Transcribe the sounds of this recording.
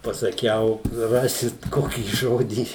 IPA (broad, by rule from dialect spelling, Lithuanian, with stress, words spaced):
pɐsɐˈkʲɛʊ ˈrɑːsʲɪt ˈkoːkʲiː ˈʒoːdʲiː